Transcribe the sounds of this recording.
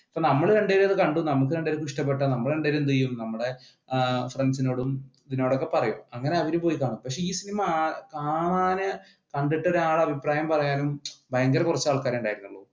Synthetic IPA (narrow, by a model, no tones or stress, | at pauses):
pːoːnɐmːɐɭɾe̞ɳɖeːɾumɐðɨkɐɳɖunɐmuk̬ːɨɾe̞ɳɖeːɾukːuiʂʈɐp̬ːeʈːɐnɐmːɐɭɾe̞ɳɖeːlumt̪̬ijːumnɐmːɐɽe̞ | frensino̞ːɽumiðino̞ːɽokːe̞pɐrɐjumɐŋːɐne̞ɐʋiɾupo̞ːjikaːɳumpɐkʂe̞iːsinimɐkaːɳaːnɨ | kɐɳɖiʈːɐoɾaːɭɐbʱipraːjɐmpɐrɐjaːnumbʱɐjɐŋɡɐɾkurɐt͡ɕːaːɭkaːɾeːuɳɖaːjiɾunːuɭːuː